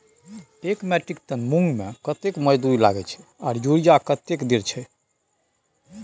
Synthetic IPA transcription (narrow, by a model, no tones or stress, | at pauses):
ʈekmɛʈɾikt̪ənmuŋɡmekət̪ekməd͡ʒd̪uɾila̰ɡɛt͡ʃʰɛ̥aːɾjuɾijakət̪ːekd̪iɾt͡ʃʰɛ